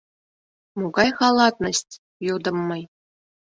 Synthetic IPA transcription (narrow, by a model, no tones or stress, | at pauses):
muɡɑjχɑlˠɑt̪̚nɤsʲtʲ | jud̪ɤ̆mːɤj